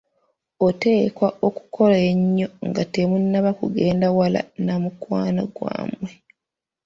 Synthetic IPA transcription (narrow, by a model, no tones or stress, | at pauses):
ote̞ːkwaoku̥kʰo̞laeɲːo̞ŋɡatemunːaβakuɡe̞ːndawala̰namukwaːnaɡwa̰ːmwe